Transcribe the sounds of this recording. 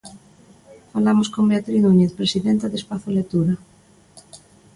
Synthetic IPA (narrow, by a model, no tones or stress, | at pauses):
falamoskombeat̪ɾinuɲeθpɾesiðent̪aðespaθolet̪uɾa